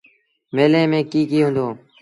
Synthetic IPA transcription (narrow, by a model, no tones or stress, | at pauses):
meːlẽːmẽːkiːkiːɦʊ̃nd̪oː